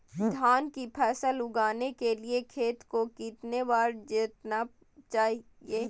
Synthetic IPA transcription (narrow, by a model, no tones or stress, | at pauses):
d̪ʱaːnkipʰɛːsəlʊɡaːnekeliekʰeːt̪kokiːt̪nebaːɾd͡ʒɪt̪na | t͡ʃaːɦi | eː